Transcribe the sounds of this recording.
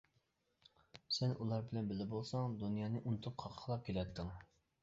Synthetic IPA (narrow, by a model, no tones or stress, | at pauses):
sɛnʔulˠɑɾbɪlɛnbɪlɪbolˠsɑŋd̪unjɑːnɨʔunt̪ʰʊp̚qʰɑqʰə̥qʰlˠɑp̚kʲʰelɛt̪ʰːɪŋ